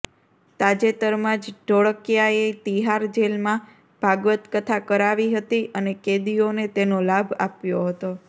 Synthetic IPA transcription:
t̪ad͡ʒet̪əɾmãd͡ʒɖoɭəkjaet̪iɦaɾd͡ʒelmã | b̥ʱaɡʋət̪kət̪ʰakəɾaʋiɦət̪iʔəneked̪ionet̪enolabʱa̰pjoɦət̪o

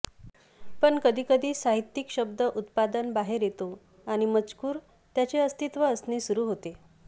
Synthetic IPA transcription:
pəɳkəd̪ʱiːkəd̪ʱiːsaɦit̪ːikɕəb̚d̪əʔut̪pad̪ənbaɦeɾjet̪o | aɽ̃imət͡skuːɾ | t̪jat͡ɕeəst̪it̪ʋəːsnesuɾuːɦot̪e

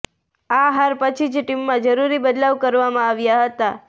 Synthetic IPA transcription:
aɦaɾpət͡ʃʰid͡ʒʈimːãd͡ʒəɾuɾibəd̪laʋkəɾʋamãaʋjaɦət̪a

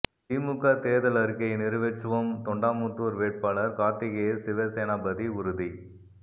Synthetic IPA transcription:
t̪iːmʊkɐt̪eːðɐlɐɾɯkɐɪnɪɾɯʋet͡ʃːɯʋɐmt̪ɔɳɖaːmut̪ːuːɾʋeːʈ̚paːlɐɾkaːt̪ːɪɣeːsɪʋɐseːnaːbɐðiʊɾɯði

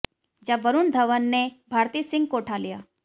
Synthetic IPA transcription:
d͡ʒaʋəɾund̪ʱəʋənːebʱaːɾt̪iːsɪ̃ŋɡ̚koːʈʰalija

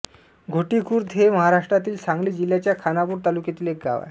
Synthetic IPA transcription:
ɡʱoʈikʰuːɾd̪ʱɦeməɦaɾaʂʈɾat̪iːlsãŋɡliːd͡ʑil̤ːjat͡ɕjakʰanapuːɾt̪alukjat̪iːlek̚ɡa̰ʋa̰

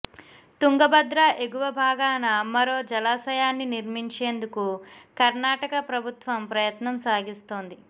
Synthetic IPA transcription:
t̪uŋɡɐbɐd̪ɾaʔeɡuʋɐbʱaːɡaːnɐmɐɾo̞ːd͡ʒɐlaːsɐjaːnːiniɾmiɲt͡ʃe̞ːnd̪ukukɐɾnaːʈɐkɐpɾɐbʱut̪ʋɐmpɾɐjɐt̪nɐmsaːɡist̪oːnd̪i

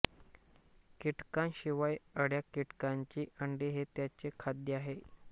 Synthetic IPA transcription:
kiʈkanɕiʋajəɽjakiʈkaɲt͡ɕiːʔəɳɖiɦet̪jat͡ɕekʰad̪jəaɦe

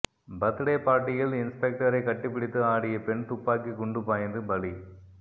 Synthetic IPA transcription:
bɐt̪ːɯɽeːpaːɾʈːɪjɪlɪnspɛk̚ʈɐɾɐɪkɐʈːɯpːɪɽɪt̪ːɯaːɽɪjɐpɛɳt̪ʊpːaːkikʊɳɖɯpaːjɐnd̪ɯbɐli

